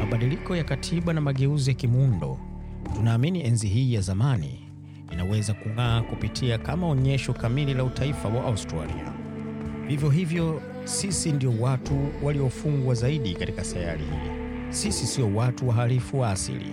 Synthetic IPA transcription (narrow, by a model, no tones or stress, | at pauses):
maɓaɗilikɔjakatʰiɓanamaɠɛuzijakimundɔ̰tunaːminiɛnziɦiːjazamanḭː | nawɛzakuŋaːkupitʰiakamaɔɲɛʃɔkamililautʰaifawaʔːustɾa̰lḭa̰ | vivjɔɦivjɔ | sisindiɔwatuwaliɔfuŋɡwazaiɗikatikasaja̰lḭhḭ | sisisiɔwatuwaɦalifuwaːsḭlḭ